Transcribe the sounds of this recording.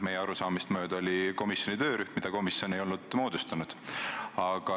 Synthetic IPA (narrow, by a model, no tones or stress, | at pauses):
me̞jːeɑɾusɑːmist̪mø̞ːd̪̥ɑo̞lʲiko̞misjo̞nit̪ø̞ːɾyhmmid̪ɑko̞misjo̞nejo̞lnud̪̥mo̞ːd̪̥ust̪ɑnud̪̥ɑɡ̥ɑ